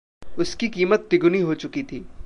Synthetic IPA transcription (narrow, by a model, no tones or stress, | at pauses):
ʊskikiːmət̪ːɪɡʊniɦot͡ʃʊkit̪ʰiː